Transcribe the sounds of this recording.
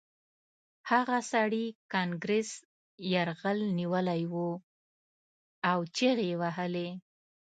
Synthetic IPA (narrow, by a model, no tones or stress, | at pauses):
haɣasaɽikɑŋɡɾes | jaɾɣəlniwəlajwu | awt͡ʃeɣewaɦəle